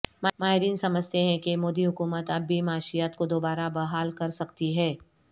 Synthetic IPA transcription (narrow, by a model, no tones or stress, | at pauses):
mamaːɦɪɾiːnsɐməd͡ʒʱt̪eɦɛ̃kemoːd̪iɦʊkuːmət̪ɐbːimaːʃijaːt̪kod̪oːbaːɾabɐɦaːlkɐɾsɐkt̪iɦɛː